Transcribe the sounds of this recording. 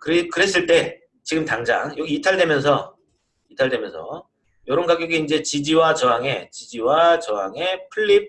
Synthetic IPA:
kɯɾekɯɾe̞s̬͈ɯɭt͈e̞ | t͡ɕiɡɯmtaŋd͡ʑa̰ŋjʌɡiːtʰaɭdwe̞mjʌnsʰʌ | itʰaɭde̞mjʌnsʰʌ̰ | jʌɾʌnɡaɡjoɡiːnd͡ʑe̞t͡ɕid͡ʑiwat͡ɕʌɦaŋe̞t͡ɕid͡ʑiwat͡ɕʌɦaŋe̞pʰɯɭːip̚

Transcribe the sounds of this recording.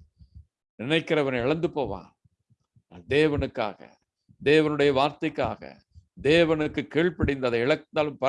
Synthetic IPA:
nɪnɐɪkːɪɾɐʋɐnɐɪɭɐnd̪ɯpoːʋa̰ːn | na̰ːnd̪eːʋɐnɯkːa̰ːɣɐ̰ | d̪eːʋɐnɯɽɐjɐʋaːɾt̪ɐɪkːa̰ːɣɐ̰ | d̪eːʋɐnɯkːɯkːiːɭpɐɽɪnd̪ɐðɐɪɭɐk̚ːnd̪aːlɯmpɐ

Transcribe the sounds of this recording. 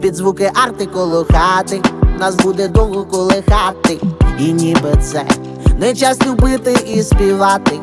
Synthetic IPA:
pʲid̪zʋukɪʔart̪ɪkɔlˠɔxat̪ɪnasbud̪ɛd̪ɔwɦɔkɔlˠɪxat̪ɪinʲibɪt̪sɛ̰ | nɛjt͡ʃasʲnʲibɪt̪ɪispʲiʋat̪ɪ

